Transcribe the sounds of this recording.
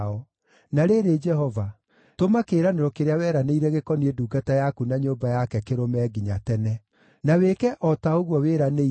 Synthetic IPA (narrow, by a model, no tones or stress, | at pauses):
ɔ | naɾeɾed͡ʒɛɦɔva | tomakeːɾaneɾɔkeɾeawɛɾaneiɾɛɣekɔnieduːɡatajakunaɲoːmbajakɛkeɾomɛːɡiɲatɛnɛ | nawekɛʔɔtaoɣwɔweːɾane